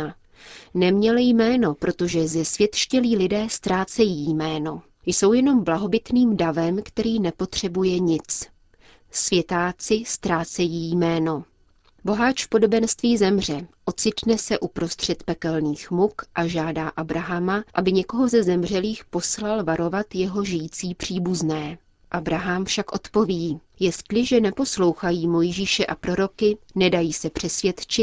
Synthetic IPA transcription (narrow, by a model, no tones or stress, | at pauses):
nɛmɲɛlɪjmɛːno̞pɾo̞t̪o̞ʒɛzɛsvjɛt̪ʃcɛliːlɪdɛːst̪ɾaːt͡sɛjiːjmɛːno̞ | jso̞wjɛno̞mblaɦo̞bɪt̪niːmdavɛmkt̪ɛɾiːnɛpo̞t̪r̝̥ɛbujɛɲɪt͡s | svjɛt̪aːt͡sɪst̪ɾaːt͡sɛjiːjmɛːno | bo̞ɦat͡ʃfpo̞do̞bɛnst̪viːzɛmr̝ɛʔo̞t͡sɪt̪nɛsɛʔupɾo̞st̪r̝̥ɛt̪pɛkɛlniːxmukʔaʒaːdaːʔabɾaɦamaʔabɪɲɛko̞ɦo̞zɛzɛmr̝ɛliːxpo̞slalvaɾo̞vat̪jɛɦo̞ʒɪjit͡siːpr̝̥iːbuznɛː | ʔabɾaɦamfʃakʔo̞t̪po̞viː | jɛst̪lɪʒɛnɛpo̞slo̞wxajiːmo̞jʒiːʃɛʔapɾo̞ɾo̞kɪnɛdajiːsɛpr̝̥ɛsvjɛt̪t͡ʃɪt̪̚